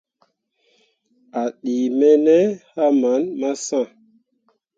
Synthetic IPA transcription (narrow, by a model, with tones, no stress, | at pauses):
a˨ɗi˨mɛ˦nɛ˦ha˦ma˨˦nma˦sã˦˨